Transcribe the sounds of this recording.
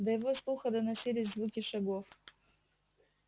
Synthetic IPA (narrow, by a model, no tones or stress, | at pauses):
d̪ɐjɪvoslˠuxɐd̪ɐnɐsʲilʲɪzʲzvukʲɪʂɐɡof